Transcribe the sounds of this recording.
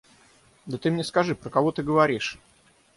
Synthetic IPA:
d̪ət̪ɨmnʲeɛskɐʐɨpɾəkɐvo̞t̪ɨɡəvɐɾʲiʂ

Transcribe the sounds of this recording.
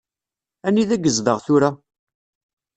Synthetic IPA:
æniðæɡːəzðəʁθʊɾa

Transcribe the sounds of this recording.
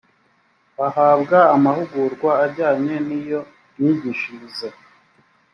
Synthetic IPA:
ahaːbɡaːmahuɡuɾɡwaːɾɟaːɲe̞nijo̞ | iɟiʃize

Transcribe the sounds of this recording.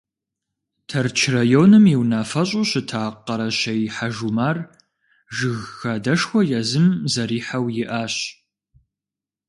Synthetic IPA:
tʰɐrt͡ʃʰrɐjoːnɨmjiwnaːfɐɕʼʊɕɪtʰaːqːɐɾɐɕɐjħaʒumaːr | ʒɨɣːɐdɐʂxʷɔjɛzɨmzɐɾiːħawjɪʔaːɕ

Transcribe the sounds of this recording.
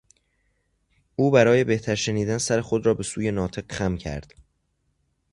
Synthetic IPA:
ʔuːbæɾɒːje̞be̞ht̪ʰæɾʃe̞niːd̪ænsæɾe̞xo̞d̪ɾɒːbe̞suːje̞nɒːt̪ʰe̞qxæmcʰæ̰ɾd̪̥

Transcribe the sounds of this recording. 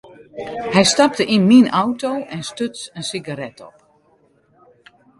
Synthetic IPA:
hɛjstap̚təʔinminʔawtowʔɛnstøsənsiɡaɾɛtɔ̰p̚

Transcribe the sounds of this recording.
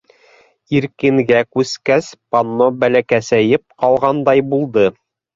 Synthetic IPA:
iɾkɘ̆ŋɡækʉskæspanːobælækæsæjɘp̚qɑlˠʁɑnd̪ɑjbulˠd̪ɤ

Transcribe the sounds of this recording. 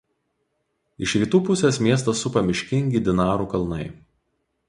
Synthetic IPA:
ɪʃɾʲiːt̪uːpʊsʲeːsmʲiɛs̬t̪ɐsʊpɐmʲɪʃʲkʲɪŋʲɡʲid̪ʲɪnɑːɾuːkɐlˠnɐɪ

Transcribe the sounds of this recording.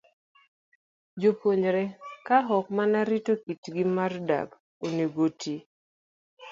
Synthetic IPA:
d͡ʒopoɲɾɛkaɦɔk̚manaɾitokitɡimarda̰k | oneɡotʰi

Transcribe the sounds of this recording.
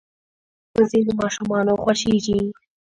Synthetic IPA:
pəzinomɑʃumɑnoxwaʃeɡi

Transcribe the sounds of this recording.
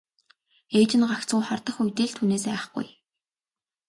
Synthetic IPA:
eːt͡ɕɪ̆nɢakt͡sɢujχart̪ə̆χujʲt̪eːɮt̪ʰuneːs̬æːχɡ̥ṵj

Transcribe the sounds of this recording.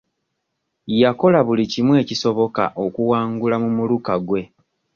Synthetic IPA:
jako̞laβulicimwe̞ːciso̞βo̞ka̰ʔo̞kuwaːŋɡulamumulukaɡwe̞

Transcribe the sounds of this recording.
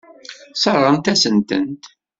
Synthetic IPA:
sərˤːəmt̪æsənt̪ə̰nt̪

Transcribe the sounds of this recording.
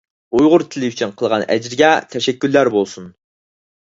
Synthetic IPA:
ujʁʊɾt̪ʰɪlɪyt͡ʃʰynqʰəlˠʁɑnɛ̰d͡ʒɾɪɡʲɛt̪ʰɛʃɛkʲːylːæɾbolˠsun

